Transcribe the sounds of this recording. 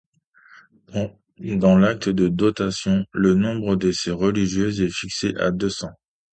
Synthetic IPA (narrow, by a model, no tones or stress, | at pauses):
d̪ɑ̃lak̚t̪əd̪əd̪ot̪asjɔ̃lənɔ̃bʁəd̪eseʁəliʒjøzɛfikseʔa̰d̪øsɑ̃